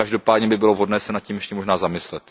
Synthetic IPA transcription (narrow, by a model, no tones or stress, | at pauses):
aʒdo̞paːdɲɛbɪbɪlo̞vɦo̞dnɛːsɛnat̪̚cʲiːmjɛʃcɛmo̞ʒnaːzamɪslɛt̪